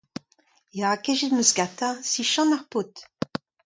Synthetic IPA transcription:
jakɛʒet̪məsɡat̪asiʃɑ̃maʁpot̪

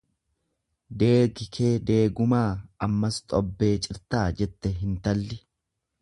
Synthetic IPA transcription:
d̪e̞ːɡɪkʰe̞ːd̪e̞ːɡʊmaːɐmːɐst̪ʼɔbːe̞ːt͡ʃʼɪɾt̪aːd͡ʒɛt̪ːɛɦɪnt̪ɐlːɪ

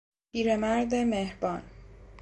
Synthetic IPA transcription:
pʰiːɾemæɾd̪e̞mehɾbɒːn

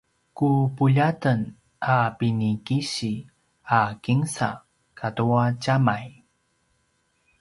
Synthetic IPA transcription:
kupuʎatən | apinikiɕi | akiŋsa̰ | kʰatuacamaj

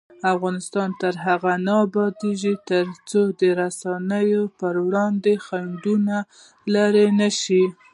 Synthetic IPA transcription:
afɣɑnɪst̪ɑnt̪əɾɦaɣanaabɑd̪eʒit̪əɾt͡sod̪əɾasɑnəjopəɾwɽɑnd̪exaɳɖuna | laɾenaʃi

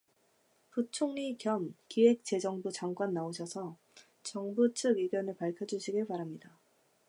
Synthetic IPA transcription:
put͡ɕʰoŋikjʌmkiwe̞k̚t͡ɕe̞d͡ʑʌŋbut͡ɕaŋɡwanːaoɕʰʌsʰʌ | t͡ɕʌŋbut͡ɕʰɯɡɥiɡjʌnɯɭpaɭkʰjʌd͡ʑuɕʰiɡɯɭpaɾamɲida

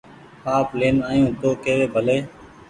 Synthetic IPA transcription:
paːpleːnaːjũːt̪oːkeːʋeːbʱəleː

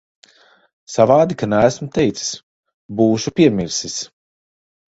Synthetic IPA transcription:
savaːd̪ikanæːsmut̪ɛjt̪si̥s | buːʃupʲiɛmʲiɾsis

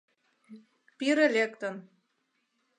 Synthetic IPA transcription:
piɾelʲekt̪ə̆n

